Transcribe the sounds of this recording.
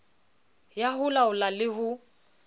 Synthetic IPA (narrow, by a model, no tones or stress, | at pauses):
jaɦʊlaʊlalɪɦʊ